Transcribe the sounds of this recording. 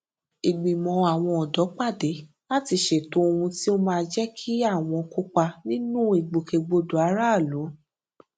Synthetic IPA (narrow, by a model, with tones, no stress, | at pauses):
i˨ɡ͡bĩ˨mɔ̃˧a˨w̃ɔ̃˧ɔ˨dɔ˨˦k͡pa˦˨de˨˦ | la˦ti˧ʃe˨tõ˧˦o˧ũ˧ti˦o˦mãː˧d͡ʒɛ˦kʰi˦a˦˨w̃ɔ̃˧ku˦k͡pa˧nĩ˦nũ˦i˨ɡ͡bo˨ke˧ɡ͡bo˧do˨a˨˦ɾa˦˨lõ˨˦